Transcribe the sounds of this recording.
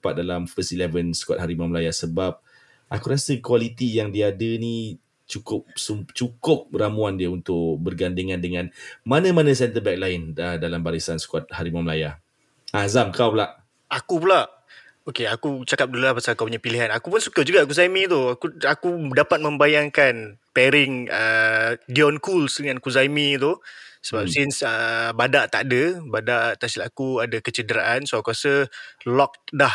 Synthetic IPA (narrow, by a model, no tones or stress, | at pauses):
pat̪̚dalamfəst̪ilɛvənsə̥kuat̪haɾimaməlajasəbap̚ | ʔakuɾasəkwalit̪ijaŋdiadəni | t͡ʃukʊp̚sut͡ʃukʊp̚əɾamuandiəunt̪ʊʔbərɡandiŋãndəŋãnmanə̃manə̃s̬ɛnt̪əbɛk̚laɪnədalambaɾisansə̥kuat̪̚haɾimamlajah | azamkawlaʔ | akup̬ulaʔ | okeakut͡ʃakap̚dululapasalkapuɲapiliɦanakupʊnsukəd͡ʒuɡak̬uzamit̪uakuakudapat̪̚mə̃mbajaŋkanpɛɾɪŋəɡiɔnkulsdəŋankuzamĩt̪usəbap̚sinsəbadaʔt̪aʔadəbadaʔt̪asilakuadakət͡ʃədəɾaʔansoakuasəlɔk̚dah